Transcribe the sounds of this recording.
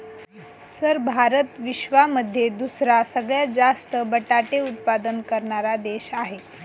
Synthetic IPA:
səɾbʱaɾət̪ʋiɕʋaməd̪ʱːjed̪usɾasəɡɭjad͡zast̪əbəʈaʈeut̪̚pad̪ənkəɾɳaɾad̪eɕaɦe

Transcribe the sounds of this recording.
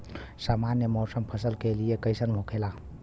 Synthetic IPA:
samanjəmɔsəmpʰəsəlkelijekəjsənlʱokʰela

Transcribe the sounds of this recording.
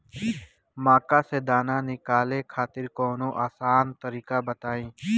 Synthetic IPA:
maːkaːseːd̪aːnaːnɪkaːleːkʰaːt̪ɪɾkoːnõːʔaːsaːnt̪əɾiːkaːbət̪aːĩː

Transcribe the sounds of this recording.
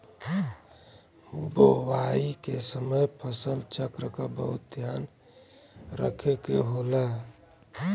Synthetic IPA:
bowaikesəməjpʰəsəlt͡ʃəkɾəkabə̰ɦut̪̚d̪ʱjan | ɾə̰kʰekḛɦola

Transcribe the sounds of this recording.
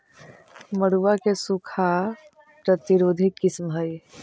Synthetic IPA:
məɽuʋakesukʰa | pɾət̪iɾoːd̪ʱɪkːɪsmɦəj

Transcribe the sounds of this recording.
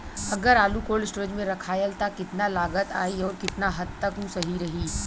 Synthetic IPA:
ɐɡəɾaːlukoːlɪsʈɾəd͡ʒmẽɾɐkʰaːjəlt̪akɪt̪nalaːɡət̪a̰ːiɔːɾkɪt̪naɦɐd̪̚t̪əkɦũsɐɦiɾɐɦiː

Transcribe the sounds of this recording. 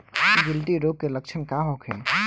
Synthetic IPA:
iɡɪlʈiɾoːɡkelək̚t͡ʃʰənkaɦokʰḛ̃ː

